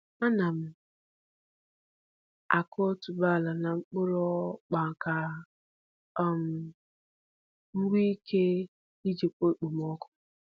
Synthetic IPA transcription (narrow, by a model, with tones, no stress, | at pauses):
a˦na˨m̩˦ | a˨kɔ˦tu˨ba˦˨la˨na˨ŋ͡m̩˦k͡pʊ˦ɾɔ˦k͡pa˨ŋ˨ka˨ | m̩˨ | ŋ͡m̩˦ɡ͡bi˦i˦kʰe˦ | i˦d͡ʒe˨k͡po˦k͡po˨m˦ɔ˦kʊ̥˦